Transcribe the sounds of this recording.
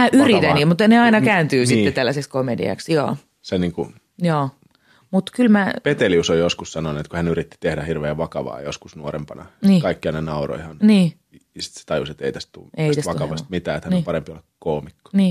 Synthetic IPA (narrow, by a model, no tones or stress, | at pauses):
mæːʔyrit̪ænimut̪ːneɑinɑkæːnt̪yːsitːett̪ælːæsekskomedḭɑ̰ksjɑ̰ː | seniːŋku | joː | mut̪kylmæpet̪eliusojoskussɑnonuet̪kuhænyɾit̪ːi̥t̪ehdæhirʋeːʋɑkɑʋɑ̰ːjo̰skusnuoɾḛmpɑnɑ̰niːkɑikːiɑnenɑuro̰ihɑnniː | jɑsi̥t̪se̥t̪ɑjṵset̪ḛit̪æstt̪ṵːeit̪æsʋɑkɑʋɑst̪mit̪æːet̪hænopɑɾempiolekkoːmikːo̥niː